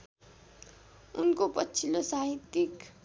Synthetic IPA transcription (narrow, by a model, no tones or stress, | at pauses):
unkopʌtːt͡sʰilosaɦit̪ik